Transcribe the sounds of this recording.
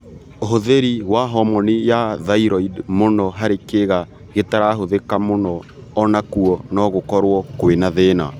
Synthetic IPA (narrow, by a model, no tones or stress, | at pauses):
oɦoðeɾiwaɦɔmɔnejaðaiɾɔidmonɔɦaɾekeɣa | ɣetaɾaɦoðekamonɔː | nakuɔnɔɣokɔɾwɔkoenaðeːna̰